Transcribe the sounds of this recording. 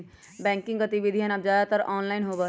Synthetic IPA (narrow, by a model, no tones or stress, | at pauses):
bɛ̃ːŋkɪ̃ŋɡət̪iʋid̪ʱiɦənɐpd͡ʒaːd̪at̪əɾɔːnlaːɪnɦobə